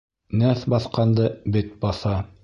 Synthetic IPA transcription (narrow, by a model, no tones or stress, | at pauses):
næθbɑθqɑnd̪ɤbɘt̪̚bɑθɑ